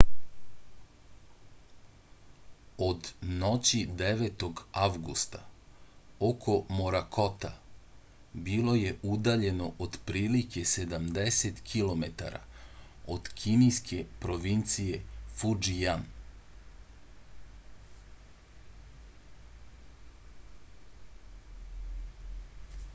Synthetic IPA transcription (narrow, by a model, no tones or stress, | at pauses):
od̪no̞t͡ɕid̪eʋet̪o̞ɡaʋɡust̪a | okʰo̞moɾakʰo̞t̪a | bilˠo̞je̞ʔud̪aʎe̞no̞ʔod̪pɾiːlike̞se̞d̪amd̪eset̪kʰilˠo̞me̞t̪a̰ɾa̰ | od̪̥kʰinijskʰe̞pɾo̞ʋint̪sije̞fud͡ʒijan